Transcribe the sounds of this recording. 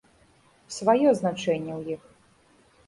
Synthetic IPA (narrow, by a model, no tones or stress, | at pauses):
svajɔznat͡ʂɛnʲːɛwjix